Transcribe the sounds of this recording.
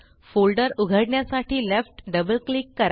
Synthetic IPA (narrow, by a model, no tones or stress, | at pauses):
folɖəɾuɡʱəɽɳjasaʈʰiːlefʈɖəbəlkliːkːəɾa